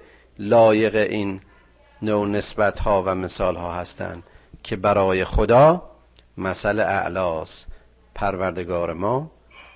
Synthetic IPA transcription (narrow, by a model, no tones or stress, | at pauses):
lɒːje̞ɣeʔiːnː | owne̞sbæt̪hɒːvæmesɒːlhɒːhæst̪ʰæ̰nd̪cʰe̞bæɾɒːjexod̪ɒː | mæsæleʔæ̰ʔlɒːst̪ | pʰæɾvæɾd̪eɡɒːɾemɒː